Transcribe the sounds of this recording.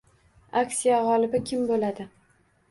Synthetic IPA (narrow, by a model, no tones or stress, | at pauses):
aksijaʁɒlɪbɪkʲʰɪmbolad̪ɪ